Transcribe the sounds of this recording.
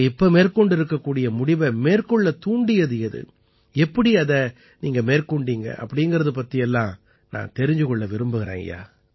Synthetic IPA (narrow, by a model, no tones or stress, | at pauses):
ɪpːɐmeːrkɔɳɖɪɾɯkːɐkːuːɽɪjɐmʊɽɪʋɐmeːrkɔɭːɐt̪uːɳɖɪjɐðɯjɐðɯ̰ | ɛpːɐɽiɐðɐ | niːŋɡɐmeːrkuːɳɖiːŋɡɐ̰ʔɐ̰pːɐɽɪŋɡɐɾɐðɯp̬ɐt̪ːɪjɛlːãː | nã̰ːt̪ɛɾɪɲd͡ʒɯkɔɭːɐʋɪɾɯmbɯɣɪɾḛːŋɡɐ̰ja̰ː